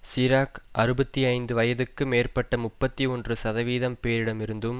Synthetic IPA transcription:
siːɾaːkʔɐɾɯbɐt̪ːiɐɪnd̪ɯʋɐjɐðɯkːɯmeːrpɐʈːɐmʊpːɐt̪ːiɔndrɯsɐðɐʋiːðɐmpeːɾɪɽɐmɪɾɯnd̪ɯm

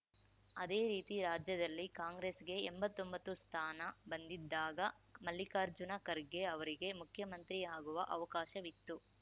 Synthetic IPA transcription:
ɐd̪eːɾiːt̪iɾaːd͡ʒjɐd̪ɐlːikaːŋɡɾeːsɡe̞ːmbɐt̪ːo̞mbɐt̪ːust̪ʰaːnɐbɐnd̪id̪ːaːɡɐ | mɐlːikaːɾd͡ʒunɐkɐɾɡe̞ɐʋɐɾiɡe̞mukʰjɐmɐnt̪ɾiaːɡuʋɐʔɐʋɐkaːʃɐʋit̪ːu

